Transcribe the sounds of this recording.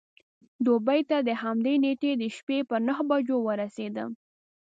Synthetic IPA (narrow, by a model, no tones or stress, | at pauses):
d̪obajt̪ad̪əhamd̪eneʈed̪əʃpepəɾnaɦbad͡ʒowəɾased̪ə̰